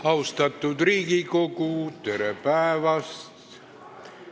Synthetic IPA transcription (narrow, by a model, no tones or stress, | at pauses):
ɑwst̪ɑt̪ːud̪riːɡikokut̪eɾepæevɑst̪